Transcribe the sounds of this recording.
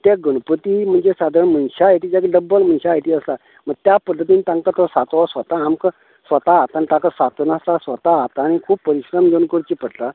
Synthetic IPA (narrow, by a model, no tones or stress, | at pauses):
t̪jaɡəɽ̃upət̪im̤əɳd͡zesad̪ʱəɾɳm̤ənɕaɦet̪iːd͡ʑakiɖəbːəlm̤ənɕaet̪iːəst̪a | məɡ̚t̪japəd̪ʱːət̪̬iːnit̪ãŋkat̪ɔsat̪ːsʋət̪aːmkə | sʋət̪aːt̪añit̪ãkasat̪unast̪asʋət̪aat̪aːɽ̃ikʰuːbpəɾiɕɾəmɡəñkəɾt͡ɕipəɽt̪a